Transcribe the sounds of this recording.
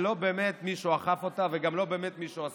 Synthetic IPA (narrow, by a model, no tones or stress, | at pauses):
lo̞be̞ːmet̪miʃuaχafo̞t̪aveɡamlo̞be̞ːmet̪miʃuas